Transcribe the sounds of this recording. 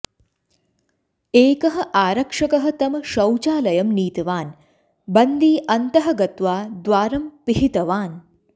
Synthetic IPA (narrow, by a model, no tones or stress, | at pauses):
eːkɐɦɐ̆ʔaːɾɐkʂɐkɐɦɐ̆t̪ɐmɐʃɐwt͡ʃaːlɐjɐmniːt̪ɐʋaːn | bɐnd̪iːʔɐnt̪ɐɦɐ̆ɡɐt̪ʋaːd̪ʋaːɾɐmpiɦit̪ɐʋaːn